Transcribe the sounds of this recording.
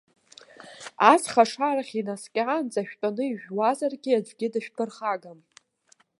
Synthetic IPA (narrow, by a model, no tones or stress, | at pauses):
asχaʂaraχʲinaskʲʼɪʕand͡zaʃᶣtʼanɨiʒᶣwazarɡʲiad͡ʒʷɡʲɪdaʃᶣpʰɨrχaɡam